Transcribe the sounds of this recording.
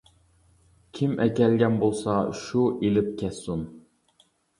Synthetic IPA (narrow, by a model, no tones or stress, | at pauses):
kʲʰimʔɛkʲɛlɡʲɛnbolˠsɑʃuʔelɪp̚kʲʰɛsun